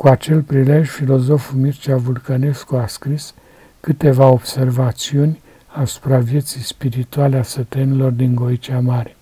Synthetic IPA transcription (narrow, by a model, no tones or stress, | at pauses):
kuat͡ʃe̞lpɾile̞ʒʲfilo̞zo̞fumirt͡ʃiavulkane̞skuaskɾis | kɨt̪e̞vao̞b̥se̞rvat̪siunʲ | asu̥pɾavje̞t̪sijspiɾit̪ualeasət̪ənilo̞rd̪iŋɡo̞it͡ʃiamaɾe